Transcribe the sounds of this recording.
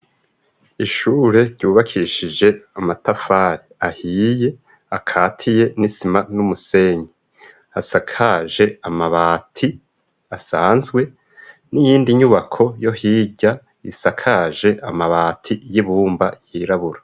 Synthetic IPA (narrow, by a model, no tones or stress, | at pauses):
iʃuːɾe̞ɾɟuːβakʰiʃid͡ʒe̞amatafaːɾiahiːje̞ | akʰaːtʰije̞nisimanumuse̞ɲi | asakʰaːʒe̞amaβaːtʰi | asaːnzɡwe̞ | nijiːndiɲuβakʰo̞jo̞hiːɟa | isakʰaʒe̞ʔamaβaːtʰijiβuːmbajiɾaβuɾḁ